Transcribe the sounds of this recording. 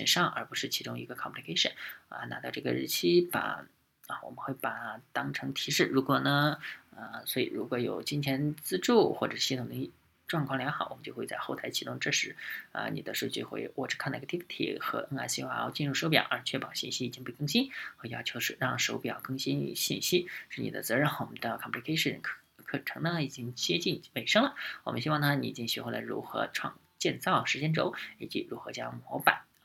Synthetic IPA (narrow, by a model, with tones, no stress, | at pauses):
ɕə˨˩nʂɑ˥˩ŋə̰˞˧˥pu˧˥ʂɻ̩˥˩t͡ɕʰi˧˥ʈ͡ʂʊ˥ŋḭ˧˥ɡə˧kʰɑ˨˩pʰli˧kʰe˥ɪʂə̰˨˩nə̰˧na˧˥t̪ɑ˥˧ʊʈ͡ʂɤ˥˩ɡə̰˨ɻ̩˧˥˩t͡ɕʰi˥pa̰˨˩ | ə˧wɔ̰˨˩mə˦xwe˥˩ɪpa˨˩t̪ɑ˥ŋʈ͡ʂʰɤ˧˥ŋt̪ʰi˧˥ʂɻ̩˥˩ɻu˧˥kwɔ˨˩nə˩ə˧swɔ˧˥ḭ˨˩ɻu˧˥kwɔ˧˥jo̰˨˩ʊt͡ɕi˥nt͡ɕ̪ʰjɛ˧˥nt͡sɹ̩˥ʈ͡ʂu˥˩xwɔ˥˩ʈ͡ʂʂ̩˥˩ɕi˥t̪ʰʊ˨˩ŋd̪ə˧˥i˥˩ | ʈ͡ʂwɑ˥˧ŋkʰwɑ˥˩ŋljɑ˧˥ŋxɑ˨˩ʊwɔ˨˩mə˦t͡ɕjo˥˧xwe˥˧t͡sa˥˧ɪxo˥˩ʊt̪ʰa˧˥ɪt͡ɕʰi˧˥ʈ͡ʂʊ˥ŋʈ͡ʂɤ˥˩ʂɻ̩˧˥ə̰˧nḭ˨˩d̪ə˦ʂ̩˥˧˥t͡ɕo˥˧ʊxwḛ˥˧ɪwɔ˥˩ʈ͡ʂɻ̩˥kʰnɑ˥˩˧t̪ʰi˥pt̪ʰḭ˨˩xɤ̰˧˥ə˥ŋa̰˧˩ɕi˧˥˧xo˥˧t͡ɕi˥˧nɻu˥˩ʂo˧˥p̬jɑ̰˨˩ʊʔə˞˧˥t͡ɕʰɥɛ˥˩pɑ˨˩ʊɕi˥˩nɕi˥i˨˩t͡ɕi˥ŋpe˥˩ɪkɤ˥ŋɕi˥nxɤ˧˥˧jɑ˥ʊt͡ɕʰjo˧˥ʊʂɻ̩˥˧˩ɻɑ˥˩ŋʂo˧˥pɑ˨˩ʊkɤ˥ŋɕi˥nḭ˥˧˩ɕḭ˥˩nɕi˥ʂɻ̩˥˩ni˨˩ə̰˦t͡sɤ˧˥ɻə˥˩wɔ˨˩mə˦nd̪ə˧kʰɑ˨˩pli˧kʰe˥ɪʂə̰˨˩nkʰ | kʰɤ˨˩ʈ͡ʂʰɤ˧˥ŋnə˧i˨˩t͡ɕi˥ŋt͡ɕjɛ˥t͡ɕi˥˩nme˨˩ɪʂɤ˥ŋlə˨˩wɔ˨˩mə˦nɕi˥wɑ˥˩ŋt̪ʰa˥nḭ˧˩i˨t͡ɕi˧˥ŋɕy˧˥xwlə̰˨˩ɻṵ˧˥xɤ̰˧˥ʈ͡ʂʰwɑ̰˥˧ŋ | t͡ɕjɛ˥˧nt͡sɑ˥˩ʊʂɻ̩˧˥t͡ɕjɛ˥nʈ͡ʂo˧˥ʊi˨˩t͡ɕḭ˧˥ɻu˧˥xɤ̰˧˥t͡ɕjɑ˥ŋmwɔ˧˥pa˨˩˦n